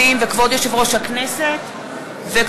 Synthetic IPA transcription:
imvekvod̪joʃevʁo̞ʃhakneset̪ | vek

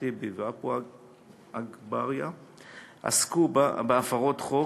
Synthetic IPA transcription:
ibevapu | aɡbaʁja | a̰skubbeafaʁot̪χo

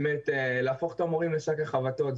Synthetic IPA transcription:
met̪eleːfoχt̪amoʁimleʃakaχavato̞t

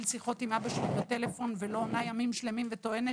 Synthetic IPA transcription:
lsiχo̞t̪imabaʃeibat̪e̞lefo̞nvelo̞ːnajamimʃle̞mimvet̪oene

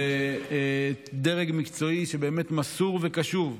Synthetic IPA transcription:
e | d̪eʁeɡmikt͡so̞iʃebeːmet̪masuʁvekaʃuv

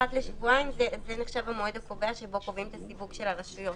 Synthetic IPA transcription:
at̪leʃivuajimzezeneχʃavamoed̪ako̞veaʃebo̞ko̞vimt̪asivuɡʃe̞laʁaʃujo̞t

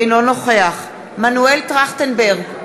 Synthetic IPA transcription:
jnono̞χeaχ | manueltʁaχtenbeʁɡ

